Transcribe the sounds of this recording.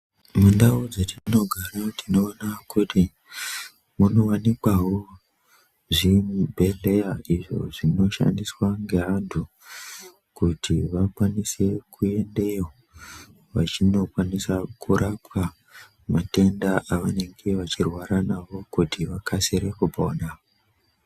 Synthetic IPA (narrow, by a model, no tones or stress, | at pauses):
mundaod͡zetino̞ɡʱaɾatino̞ːnakuti | muno̞wanikwawo | ʐimbʱe̞ɮe̞jaiʐo̞̰ʐino̞ʃa̰ndiswaŋɡe̞ɦantʰu | kutʰiʋakwanise̞kʰue̞nde̞jo | ʋat͡ʃino̞kwanisakuɾʔapwa | mate̞ndaʔaʋane̞ŋɡeʋat͡ʃirwaɾanaʋo̞kutiʋakʰasiɾe̞kubʱo̞ːna